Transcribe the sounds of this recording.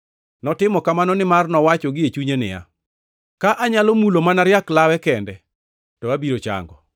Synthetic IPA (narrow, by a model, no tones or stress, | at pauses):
nɔtɪmɔkamanɔnɪmarnɔwat͡ʃɔɡɪet͡ʃuɲenɪ̰ja̰ | kaʔaɲalomulomanaɾjaklawɛkɛndɛ | tɔabiɾot͡ʃa̰ŋɡɔ̰